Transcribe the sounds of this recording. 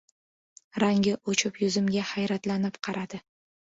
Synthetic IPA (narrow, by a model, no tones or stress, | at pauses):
ɾaŋɡʲɪʔot͡ʃʰɪpjʊzɪmɡʲahajɾat̪lanɪpqʰɑɾad̪̥ɪ